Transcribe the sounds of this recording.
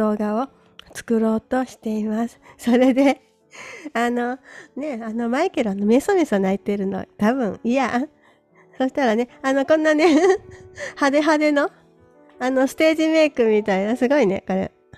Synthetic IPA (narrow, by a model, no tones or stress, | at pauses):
o̞ːɡao | t͡sɨ̥kɯ̟ɾo̞ːt̪o̞ɕi̥t̪e̞imasɨ̥so̞ɾe̞d̪e̞ | ano̞ne̞ano̞maikeɾoanome̞somʲesɨonait̪e̞ɾɯ̟no̰a̰t̪abɯ̟̃ŋija | so̞ːɕi̥t̪aɾane̞ano̞kõ̞nːane̞ | had̪e̞ɦad̪e̞no̞ | ano̞sɨ̥t̪e̞ːʑime̞ːkɯ̟mʲit̪ainasɨɡo̞ine̞̰ko̞ɾe̞̰